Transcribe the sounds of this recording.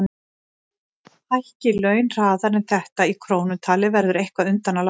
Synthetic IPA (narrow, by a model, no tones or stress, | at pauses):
ajhcɪlœːɥnr̥aːðaɾɛnθɛht̪aikʰɾoːwnʏt̪ʰaːlɪvɛɾðʏɾejhkvaʏnt̪anal